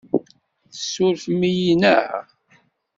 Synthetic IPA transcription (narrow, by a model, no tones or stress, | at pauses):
θəsːʊɾfmijinə̰ʕ